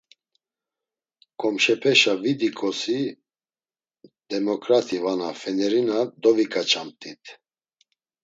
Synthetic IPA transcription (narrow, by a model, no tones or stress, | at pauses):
kʼɔmʃɛpʰɛʃavid̪ikʼɔsi | d̪ɛmɔkʼɾat̪ʰivanafɛnɛɾinad̪ɔvikʼat͡ʃʰamt̪ʼit̪ʰ